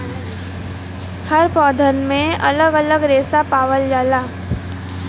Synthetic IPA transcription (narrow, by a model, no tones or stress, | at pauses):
həɾpɔːd̪ʱəɾnmẽɐ̰ləɡələɡɾeːsapaːʋəld͡ʒaːlaː